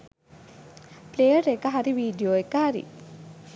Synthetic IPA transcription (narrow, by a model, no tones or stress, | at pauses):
plejəɾekaɦaɾiʋiːɖijoːekɐɦaɾḭ